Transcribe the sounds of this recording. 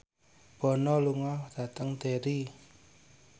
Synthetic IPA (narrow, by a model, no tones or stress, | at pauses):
b̥ɔ̤nɔluŋɔd̪̥at̪əŋd̪eɾi